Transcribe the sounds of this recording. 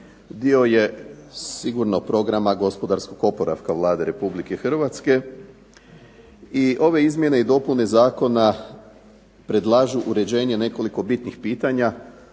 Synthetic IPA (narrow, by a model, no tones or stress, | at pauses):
d̪io̞je̞siɡuɾnopɾo̞ɡɾamaɡo̞spo̞d̪aɾsko̞ɡo̞po̞ɾa̰fkaʋlˠaːd̪e̞ɾe̞publike̞xr̩ʋat̪ske̞ | iʔo̞ʋe̞izmje̞ne̞id̪o̞pune̞zaːko̞na | pɾe̞d̪lˠaːʒuʔuɾe̞d͡ʑe̞ɲe̞ne̞ko̞liko̞bit̪nixpiːt̪aɲa